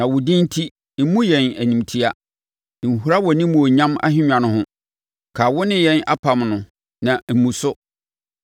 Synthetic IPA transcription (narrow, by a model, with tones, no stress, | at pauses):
nã˨wʊ˨dĩ˦n̩˦tʰi˦ | m̩˦mũ˦jɛ̃˨næ˨nĩ˨mtʰi˦a˦˨ | n̩˨ɦu˦ɾa˦wɔ˨nĩ˦mũ˨ɔ˨ɲã˦ma̰˦ɦɪ̃˦ɲᶣã˨nʊ̃˦ɦʊ̃˦ | kʰa˨wʊ˦nɪ̃˦jɛ̃˦na̰˦pʰa˨mnʊ̃˨ | nã˨m̩˨mũ˨sʊ˦